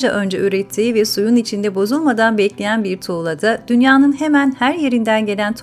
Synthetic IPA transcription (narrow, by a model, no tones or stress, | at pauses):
d͡ʒaʔø̞nd͡ʒɛyɾɛtt̪ʰːiːvɛsujunit͡ʃʰind̪ɛbo̞zulˠmad̪anbɛclʲejænbiɾt̪ʰuːlˠad̪ad̪̥ynjaːnɯnhe̞mænhæɾje̞ɾind̪ænɟe̞lʲænt̪ʰ